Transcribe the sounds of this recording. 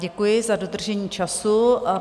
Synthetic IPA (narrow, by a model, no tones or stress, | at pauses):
ɟɛkʊjɪzadod̪r̩ʒɛɲiːt͡ʃʰasʊ